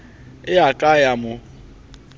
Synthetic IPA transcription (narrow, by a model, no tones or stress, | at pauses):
ɪakʼajamʊ